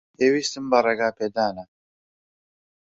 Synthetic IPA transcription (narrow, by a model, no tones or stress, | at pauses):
eːwiːst̪ɨmbɐrˤeɡaːpeːd̪aːnɐ